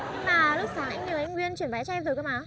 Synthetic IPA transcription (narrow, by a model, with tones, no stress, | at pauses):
ŋmaː˨˩lʊ˦˥k͡p̚saː˨˦ŋʔa̰˧jŋ̟ɲ˨˩ʔa˧jŋ̟wi˧ənt͡ɕwi˧˩ən˩ɓaː˨˦t͡ɕɔ˧mvɨ˨˩kəː˨˧˦maː˨˩˦